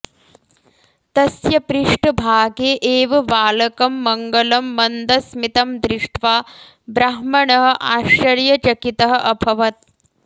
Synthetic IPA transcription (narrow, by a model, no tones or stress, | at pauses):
t̪ɐsjɐpɾiʂʈɐbʱaːɡeːʔeːʋɐʋaːlɐkɐmːɐŋɡɐlɐmːɐnd̪ɐsmit̪ɐmd̪ɾiʂʈʰʋaː | bɾɐɦmɐɳɐɦɐ̆ʔaːʃɐɾjɐt͡ʃɐkit̪ɐɦɐ̆ʔɐbʱɐʋɐt̪̚